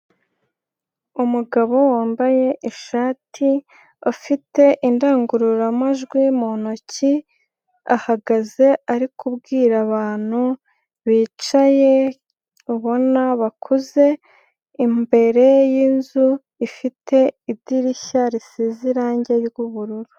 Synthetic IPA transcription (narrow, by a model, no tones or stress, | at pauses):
umuɡaβo̞waːmbaje̞ʔiʃaːtʰi | afite̞ʔindaːŋɡuɾuɾamaʒɡwimonoci | a̰haɡaze̞aɾikʰubɡiːɾaβaːn̥hu | βiːt͡ʃaje̞ | uβo̞naβakʰuze̞ | imbe̞ɾe̞jiːnzu | ifitʰe̞id̥iɾiçaɾisiziɾaːɲɟe̞jɡuβuɾuɾu